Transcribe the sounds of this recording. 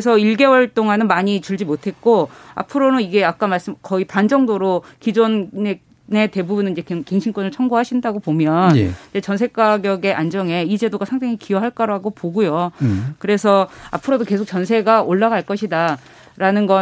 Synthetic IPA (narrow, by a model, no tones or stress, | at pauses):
esʰʌiɭɡe̞wʌɭt͈oŋanɯnmaɲit͡ɕuɭd͡ʑimotʰe̞t̚k͈oa̰pʰɯɾonɯniɡe̞ak͈amaɭs͈ɯmkʌipand͡ʑʌŋdoɾokid͡ʑonne | ne̞te̞bubunɯniɲd͡ʑe̞kke̞ŋɕʰinkwʌnɯɭt͡ɕʰʌŋbuɦaɕʰindaɡopomjʌnj̰id͡ʑe̞t͡ɕʌnsʰe̞k͈aɡjʌɡe̞ʔand͡ʑʌŋe̞id͡ʑe̞doɡasʰaŋdaŋikiwʌɦaɭk͈aɾaɡopoɡujokɯɾe̞sʰʌa̰pʰɯɾodoke̞sʰok̚t͡ɕʌnsʰe̞ɡaoɭːaɡaɭk͈ʌɕʰida | ɾanɯnɡʌ